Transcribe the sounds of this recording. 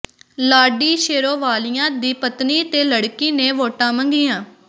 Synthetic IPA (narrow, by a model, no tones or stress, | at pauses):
laːɖiːʃeːɾoːʋaːlɪjãːd̪iːpət̪niːt̪eːləɽkiːneːʋoːʈãːməŋɡiːãː